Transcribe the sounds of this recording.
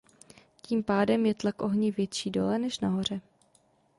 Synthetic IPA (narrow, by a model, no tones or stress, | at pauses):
ciːmpaːdɛmjɛt̪lakʔo̞ɦɲɪvjɛt̪t͡ʃiːdo̞̰lɛnɛʃnaɦo̞r̝ɛ